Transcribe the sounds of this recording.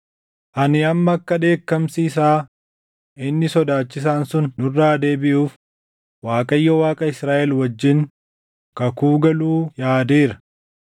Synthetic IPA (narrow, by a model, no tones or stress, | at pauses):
ʔɐnɪɐmːɐːkːɐᶑe̞ːkːɐmsiːs̬aː | ʔɪnːɪsɔd̪aːt͡ʃːɪs̬aːnsʊnːʊrːaːd̪e̞ːbɪʔuːf | waːkʼɐjːɔwaːkʼɐɪsɾaːʔɛlwɐd͡ʒːɪŋ | kɐkuːɡɐluːjaːd̪eːɾɐ̥